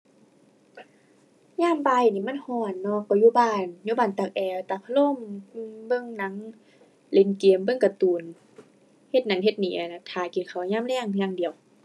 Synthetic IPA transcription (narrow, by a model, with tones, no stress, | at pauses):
ɲaː˧˥˨mba˧jniː˧˨˦ma˧˥˨nhɔː˧˩nːɔ˧˩kɔ˧˩juː˧˦˨baː˧˩˨njuː˧˦baː˧˩nt̪a˧˩k̚ʔɛː˧˩wt̪a˧˩k̚ʰa˧lo˧˥˨mː˧bɤ˧˥˨ŋna˧˦˥ŋ | le˨˧˦nki˨əmbɤ˧˨ŋka˧t̪uː˨˩n | he˧t̪̚na˧˦nɦe˧t̪̚niː˨˦ʔa˨˧˩na˧˦t̪ʰaː˨˧˩ki˨nkʰa˧˩wɲaː˧˥˨mlɛː˧˩˨ŋjaː˧˨ŋdi˨ə˨w